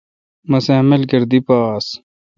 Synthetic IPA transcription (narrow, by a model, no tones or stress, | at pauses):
mɐsaːmelɡɐɾd̪ipaːs